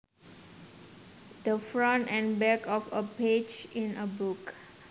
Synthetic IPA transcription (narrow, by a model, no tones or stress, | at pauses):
d̪̥əfɹɔ̃ntɛ̃nbɛkʰɔfəped͡ʒĩnəbuk